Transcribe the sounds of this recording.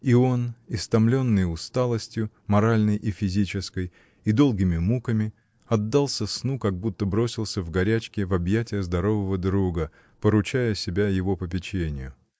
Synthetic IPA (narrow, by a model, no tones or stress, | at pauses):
io̞nɪst̪ɐmlʲo̞nːɨjʊst̪alˠəsʲtʲjʊ | mɐɾalʲnəjʔifʲɪzʲit͡ɕɪskəj | id̪o̞lˠɡʲɪmʲɪmukəmʲɪ | ɐd̪ːalˠsʲəsnukɐɡ̚but̪ːəbɾo̞sʲɪlˠsʲəvɡɐɾʲæt͡ɕkʲɪvɐbjætʲɪjəzd̪ɐɾo̞vəvəd̪ɾuɡə | pəɾʊt͡ɕæjəsʲɪbʲæjɪvo̞pəp̬ʲɪt͡ɕenʲɪjʊ